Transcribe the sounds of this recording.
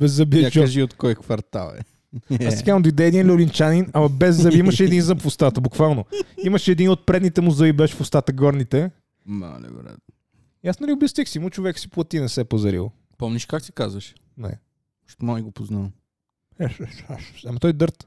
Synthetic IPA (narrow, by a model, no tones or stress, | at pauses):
bɛzːɐbiɛat͡ʃɐʒiot̪kɔjkvɐɾt̪a̰lˠɛ̰ | asɛɡamʊd̪id̪ɛɛd̪inlɛolint͡ʃaninɐmɐbɛzːɐiiməʃɛd̪inzɐmfʊst̪at̪əbukvalˠnoimɐʃɛd̪inot̪̚pɾɛd̪nit̪ɛmʊzəibɛʃɛ̥fʊst̪at̪əɡɔɾnit̪ɛ | ma̰lɛ̰bɾɛ̰t̪ | iasnɛliʊbʲəst̪vʲəksiimut͡ʃovɛksi̥plˠɐt̪inɛsɛpɐzɐɾḭlˠ | pɔmniʃkaksi̥kazəʃ | nɛ̰ | ʃt̪mamiɡopoznalˠ | ɛʃʃaʃʃɐmɐt̪ɔjd̪ɤɾt̪